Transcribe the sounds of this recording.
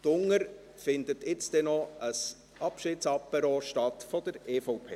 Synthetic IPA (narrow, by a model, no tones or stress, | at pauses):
tʊŋːəɾ | fɪndətɪt͡sd̥ɛnɔʔəs | ʔɑpʃɪːtsɑpːəɾɔːʃtɑtfɔd̥əɾeːfɔʊpʰeː